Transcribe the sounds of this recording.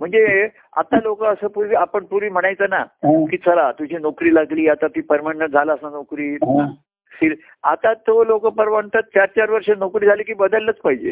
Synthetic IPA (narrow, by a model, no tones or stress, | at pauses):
m̤əɳd͡ze | a̰t̪alokəəsəːpuɾʋiːapəɳpuɾʋiːm̤əɽ̃ajt͡sənakiːt͡sʰəlat̪ud͡ʑʱiːnokɾiːlaɡliːat̪at̪iːpəɾmanəʈd͡zʱalaəsanokɾiː | siɾ | at̪at̪olokəpəɾʋaɳt̪at̪̚t͡ɕaɾt͡ɕaɾʋəɾʂənokɾiːd͡zʱaliːkiːbəd̪əlːət͡spaɦid͡ʑḛ